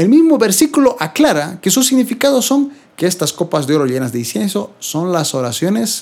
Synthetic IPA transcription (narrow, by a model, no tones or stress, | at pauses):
elmizmoβe̞ɾsikulo̞ʔaklaɾakesus̬iɡnifikaðosːo̞ŋ | keest̪asko̞pazðeo̞ɾoʝe̞nazd̪einsjenso̞so̞nlasoɾasjo̞ne̞s